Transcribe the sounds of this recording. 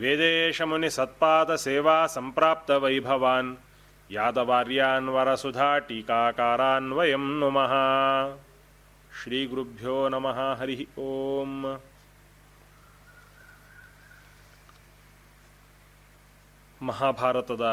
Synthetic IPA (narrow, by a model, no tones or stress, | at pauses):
ʋeːd̪eːʃɐmɐnisɐt̪̚paːd̪ɐseːʋaːsɐmpɾaːp̚t̪ɐʋɐjbʱɐʋaːn | jaːd̪ɐʋaːɾjaːnʋɐɾɐsud̪ʱaːʈikaːkaːɾaːnʋɐjɐmnumɐɦa | ʃɾiːɡɾubʱjoːnɐmɐɦaːɦɐɾiɦioːm | mɐɦaːbʱaːɾɐt̪ɐd̪ɐ